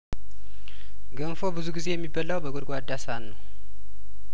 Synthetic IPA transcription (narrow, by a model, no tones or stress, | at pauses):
ɡənfo̞bɨzuɡize̞jɛmːibːəlːawbəɡod̪ɡʷad̪asanːəw